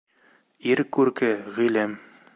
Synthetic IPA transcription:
iɾkʉɾkɘʁĭlɘm

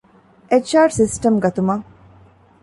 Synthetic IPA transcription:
ʔet͡ʃaːɾʈsisʈɐmɡɐt̪umɐ

